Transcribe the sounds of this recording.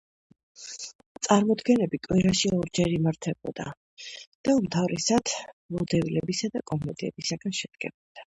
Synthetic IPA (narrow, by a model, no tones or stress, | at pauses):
t̪sʼaɾmɔd̪ɡɛnɛbikʼwiɾaʃiɔɾd͡ʒɛɾimaɾt̪ʰɛbɔd̪̥a̰ | d̪̥aumt̪ʰavɾɛsad̪̥mɔd̪ɛvilɛbisad̪akʼɔmmɛt̪ʼiɛ̰b̥isaɡanʃɛd̪̥̚ɡɛ̰bɔd̪̥a